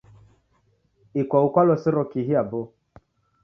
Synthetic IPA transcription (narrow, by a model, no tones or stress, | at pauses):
ikʷaukʷalɔsiɾɔkiɦiabo